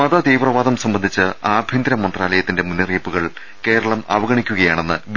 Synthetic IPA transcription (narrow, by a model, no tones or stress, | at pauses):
ɐðɐd̪iːʋrɐʋaːðɐmsɐmbɐnd̪ʱit͡ɕːɨaːbʱjind̪ɾɐmonɖraːlɐjɐt̪ːinde̞munːɐriːpːuɣɐɭ | ke̞ːɾɐɭɐmɐ̰ʋɐɣɐɳikʲːuɣɐjaːɳenːɨʋ